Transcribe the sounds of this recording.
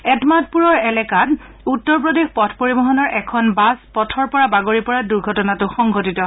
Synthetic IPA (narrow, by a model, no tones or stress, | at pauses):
ɛtmat̚puɹɔɹɛlɛkat | utːɔɹp̬ɹodexpɔtʰpoɹibɔɦɔnɔɹʔɛkʰɔnbaspɔtʰɔɹpɔɹabaɡoɹipɔɹaduɹɡʱɔtɔnatʊxɔŋɡʱotitɔ